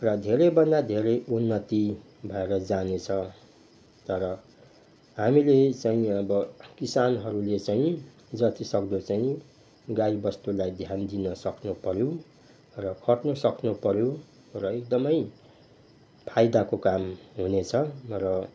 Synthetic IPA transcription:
rʌd̪ʱeɾebʌnd̪ad̪ʱeɾejʔunːʌt̪i | bʱʌeɾʌd͡zanet͡sʰʌ | t̪ʌɾʌ | ɦamilet͡saĩʌbʌkisanɦʌɾulet͡saĩ | d͡zʌt̪isʌkd̪ot͡saĩ | ɡaibʌst̪ulajd̪ʱjand̪inʌsʌknupʌɾjo | rʌkʰʌʈnʌsʌknupʌɾjo | rʌek̚d̪ʌmʌj | pʰajd̪akokamɦunet͡sʰʌrʌ

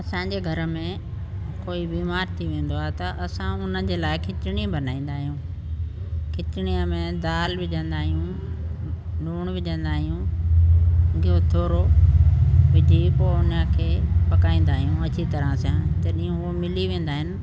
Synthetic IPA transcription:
ɐsãɲd͡ʑeːɡʱɐɾə̆mẽ | koːibiːmaːɾt̪ʰiʋẽːn̆d̪oaːɦet̪ɐʔɐsãʊnəd͡ʑeːlaːɪkʰɪtɪɽ̃ibɐnaːĩːn̆d̪aːɦijũː | kʰɪtɪɽ̃iəmẽd̪aːlʋɪʄə̃nd̪aːɦijũ | ɗuːɽ̃ʋɪʄə̃nd̪aːɦijũ | ɡiot̪ʰoːɾo | ʋɪd͡ʑʱipoʊnəkʰeːpɐkaːĩːn̆d̪aːɦijũɐt͡ɕit̪ɐɾə̃sãd͡ʑɐɗĩɦũomɪliʋẽːn̆d̪aːɦɪnɪ̆

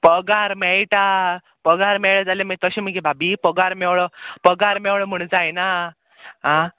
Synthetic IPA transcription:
pəɡaɾmɛɭʈa | pəɡaɾmɛɭəd͡zalemit̪əɕem̤əɡebʱabiːpəɡaɾmɛwɭɔpəɡaɾmɛwɭɔm̤əɽ̃d͡zajna | ɦã

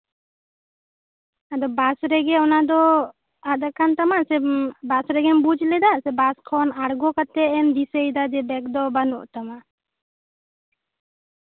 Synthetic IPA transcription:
ad̪ɔbasɾɛɡɛɔnad̪ɔ | ad̪akant̪amaʔsɛbasɾɛɡɛnbud͡ʒlɛd̪aʔsɛbaskʰɔnaɽɡɔkat̪ɛɛnd̪isəjd̪ad͡ʒɛbɛk̚d̪ɔbanɔ̰ʔt̪amaʔ

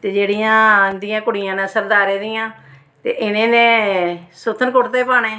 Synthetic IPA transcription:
t̪eːd͡ʒeːɽijãːd̪ɪjãːkʊɽɪjãːnãːsəɾd̪aːɾeːd̪ɪjãː | t̪ḛːʔɪnẽːnẽːsʊt̪ʰːənkʊʈt̪eːpaːneː

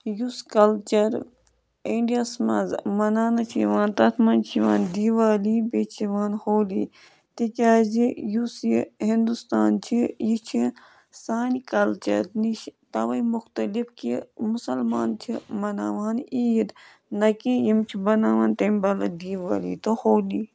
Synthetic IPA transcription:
juskɐlt͡ʃɐɾ | iɳɖijasmɐ̰zmɐnaːnɐt͡ʃʰḭʋaːnt̪ɐt̪ʰmɐːnt͡ʃʰiʋaːnd̪iːʋaːliːbeːt͡ʃʰiʋaːnhoːlḭː | t̪ikʲaːzijusihind̪ust̪aːnt͡ʃʰijit͡ʃʰi | saːnikɐlt͡ʃɐ̰ɾniʃt̪ɐʋɐimʊxt̪ɐlifkimʊsɐlma̰ːnt͡ʃʰimɐnaːʋaːniːjid̪ | nɐkijimt͡ʃʰibɐnaːʋaːnt̪ɐmbɐlɐd̪iːʋa̰ːlḭt̪ohoːli

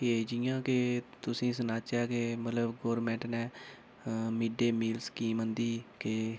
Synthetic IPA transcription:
ked͡ʒɪjãːket̪ʊsĩːsənaːt͡ʃaːkeːmət̪ləbɡoːɾmɛ̃ːɳʈnɛː | miɖeːmiːlskiːmənd̪iːke

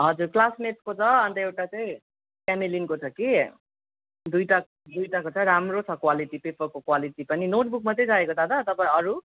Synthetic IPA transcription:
ɦʌd͡zurklasneʈ̚kot͡sʰʌʌnt̪ʌewʈat͡saĩ | pjanelinkot͡sʰʌki | d̪ujʈa | d̪ujʈakot͡sʰaĩɾamrot͡sʰʌkwaliʈipepʌrkokwaliʈipʌninoʈ̚buk̚mʌt̪ejd͡zaekot̪ʰad̪ʌt̪ʌpaĩʌɾu

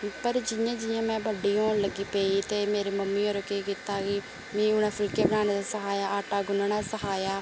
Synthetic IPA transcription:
pəɾd͡ʒɪjãːd͡ʒɪjãːmɛ̃ːbəɖiːõːləɡiːpeːiːt̪eːmeːɾeːməmːiːoːɾəkeːkit̪aːkɪ | mɛ̃ːʊnãːpʰɪlkeːbənaːneːd̪aːsəɦaːjaːʔaːʈaːɡʊnãːnaːsəɦaːjaː

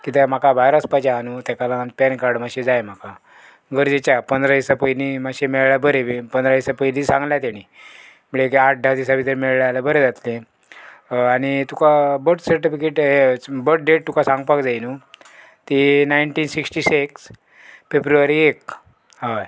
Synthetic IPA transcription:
kit̪ɛm̤akaʋajɾəspat͡ɕaːnut̪ɛkalãnpɛnkaɾɖmaɕed͡zajm̤aka | ɡəɾd͡zet͡ɕapənd̪ɾad̪isapəjnimaɕemeɭɭjabəɾeʋepənd̪ɾad̪isapəilisãŋɡljat̪aɽ̃i | məɭekaʈ̚ɖʱad̪isaʋit̪eɾmeɭljalabəɾed͡zat̪lẽ | aɽ̃it̪ukabəʈsəɾʈifikeʈɦebəʈ̚ɖeʈ̚t̪ukasãŋɡpakd͡zajnu | t̪inajɳʈiːnsiksʈiseks | fepɾuaɾiek̚ | ɦa

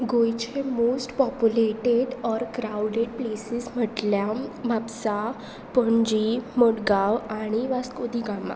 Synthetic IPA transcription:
ɡojt͡ɕemosʈpɔpjuleʈeɖɔɾkɾawɖeɖplesism̤əʈljabʱabsa | pəɳd͡ʑiməɽɡaʋaɽ̃iʋaskod̪iːɡama̰

